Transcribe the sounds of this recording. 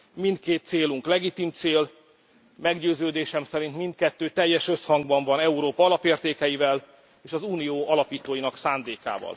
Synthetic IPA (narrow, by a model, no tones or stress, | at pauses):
mind̪keːt̪ːseːluŋklɛɡit̪imt̪seːl | mɛɡɟøːzøːd̪eːʃɛmsɛɾint̪mint̪̚kɛt̪ːøːt̪ɛjːɛʃø̞shɒŋɡbɒɱvɒnɛuɾoːpɒɒlɒpeːrt̪eːkɛjivɛl | eːʃɒzuːnijoːɒlɒpiːt̪oːjinɒksaːnd̪eːka̰ːvɒ̰l